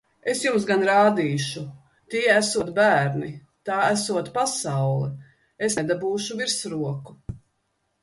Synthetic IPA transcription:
e̞sjums̬ɡanɾaːd̪iːʃu | t̪iɛæsuɔt̪bæːɾni | t̪aːæsuɔt̪pasawlˠɛ | esɛd̪abuːʃuviɾsɾuɔku

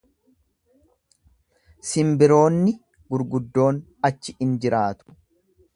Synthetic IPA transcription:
sɪmbɪɾo̞ːnːɪ | ɡʊɾɡʊd̪ːo̞ːn | ɐt͡ʃːɪɪnd͡ʒɪɾaːt̪ʊ̥

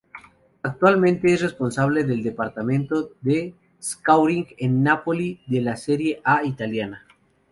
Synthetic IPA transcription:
ak̚t̪walmẽnt̪eesrespo̞nsaβ̞leðeld̪epaɾt̪amẽnt̪oðe | skawɾiŋɡenːapoliðelaseɾjeʔait̪aljana

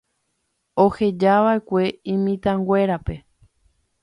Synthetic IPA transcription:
o̞he̞d͡ʒaʋae̞kʷe̞ĩmĩt̪ãŋɡʷe̞ɾape̞

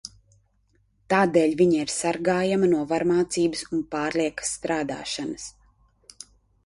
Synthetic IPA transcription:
t̪aːd̪eːʎʲviɲaiɾsaɾɡaːjamɐnuɔvaɾmaːt̪siːbɨsunpaːɾliɛkə̥sːt̪ɾaːd̪a̰ːʃanəs

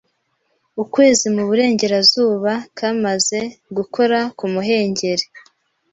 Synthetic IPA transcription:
ukwe̞ːzimuβuɾe̞ːɲɟe̞ɾazuːβakʰamaze̞ɡukʰo̞ɾakumuɦe̞ːɲɟe̞ɾe

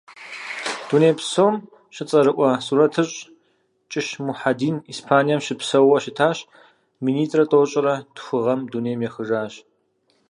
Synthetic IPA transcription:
d̥uneːjpsoːm | ɕɪt͡sʼɐɾɨʔʷʼɐsuːɾɐtʰɨɕʼ | t͡ʃʼɪʃmuħadiːniːspʰaːnijɐmʃɪpsɐwɐʃɪtʰaːɕ | miniːtʰʼrɐtʼoːɕʼɪɾɐtxʷɨʁɐmduːneːjmjɛxɨʐaːɕ

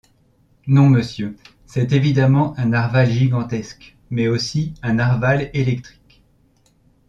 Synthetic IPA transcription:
nɔ̃məsjø | sɛt̪evid̪amɑ̃ʔɛ̃naʁvalʒiɡɑ̃t̪ɛsk | mɛosiɛ̃naʁvalelɛk̚t̪χi̥k

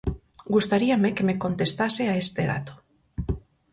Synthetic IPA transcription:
ɡust̪aɾiamekeme̞ko̞nt̪e̞st̪aseaest̪eɾa̰t̪o̥

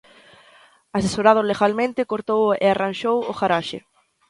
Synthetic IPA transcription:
asesoɾað̞ʊleɣalmẽnt̪ɪkoɾt̪owḛaranʃowʊɣaɾaʃɪ̰

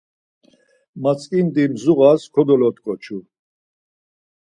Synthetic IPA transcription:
mat͡sʼkʼind̪imzuɣaskʰɔd̪ɔlɔt̪kʼɔt͡ʃʰu

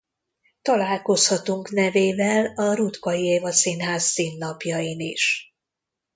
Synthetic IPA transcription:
t̪ɒlaːlko̞shɒt̪uŋknɛveːvɛlɒɾut̪kɒjieːvɒsinɦaːsːiːnːɒpjɒjiniʃ

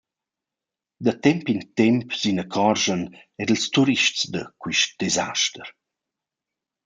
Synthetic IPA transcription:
d̪ət̪ɛmpint̪ɛmpzinəkʰɔrʒən | ɛdəlst̪uɾiʃtt͡sd̪əkwiʃt̚d̪̥eza̰ʃtəɾ

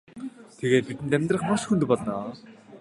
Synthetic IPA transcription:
t̪ʰeɣeːt̪̚pit̪ɘ̆nt̪æmʲt̪rə̆χmaʃxunt̪ɵ̆pɔɮnɔː

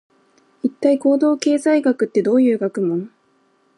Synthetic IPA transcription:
it̪ːaiko̞ːd̪o̞ːke̞ːzaiɡakɯ̟t̪ːe̞d̪o̞ːjɯ̟ːɡakɯ̟mõ̞ŋ

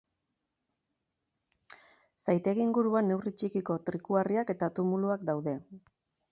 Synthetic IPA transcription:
sajt̪e̞ɣiŋɡuɾuanːe̞writ͡ʃikiko̞t̪ɾikuariake̞t̪at̪umuluakd̪awðe̞

